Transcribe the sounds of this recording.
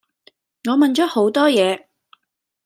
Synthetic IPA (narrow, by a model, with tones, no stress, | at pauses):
ŋɔː˨˧mɐ˨nt͡ʃɔː˨˥ho˨˥wt̪ɔː˥jɛː˨˧